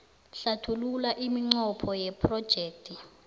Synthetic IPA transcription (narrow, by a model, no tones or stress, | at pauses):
ɬatʰululaʔimiŋ͡ǀɔpʰɔjɛpʰrɔd̥ʒ̥ʱɛːk̚tʰi